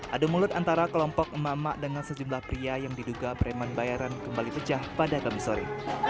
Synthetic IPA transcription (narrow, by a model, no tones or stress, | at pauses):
ʔadumulʊt̪ant̪aɾakəlɔmpɔk̚əmaʔəmaʔdəŋansəd͡ʒumlahpɾiajaŋdiduɡapəɾɛmanbajaɾankəmbalipət͡ʃahpadakamisoɾḭ